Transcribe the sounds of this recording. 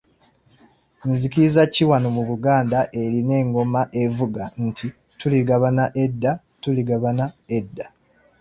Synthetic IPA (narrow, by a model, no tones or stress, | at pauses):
nzikizaciwanomuβuɡaːndaʔe̞ɾine̞ːŋɡo̞maʔevuɡantʰi | tuliɡaβanaʔedːa | tuliɡaβanaedːa